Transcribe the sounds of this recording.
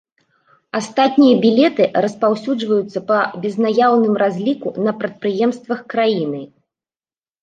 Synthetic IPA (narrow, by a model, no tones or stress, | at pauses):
ast̪at̪̚ʲnʲijɐbʲilʲɛt̪ɨrɐspawsʲud͡ʐvɐjut̪sːɐpɐbʲɛznajawnɨmrazʲlʲikunɐpɾɐt̪̚pɾɨjɛmst̪vɐxkɾajinɨ